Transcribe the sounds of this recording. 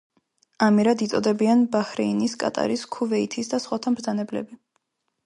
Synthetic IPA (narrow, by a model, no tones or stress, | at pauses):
amiɾad̪it̪sʼɔd̪ɛbianbahɾɛiniskʼa̰t̪ʼa̰ɾiskʰuvɛit̪ʰisd̪asχwat̪ʰamɾd̪zanɛblɛ̰bi